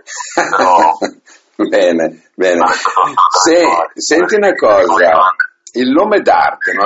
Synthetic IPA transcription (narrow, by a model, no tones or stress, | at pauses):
bɛːne | bɛːnesɛsɛnt̪iunakɔːzailnoːmed̪a̰rt̪eno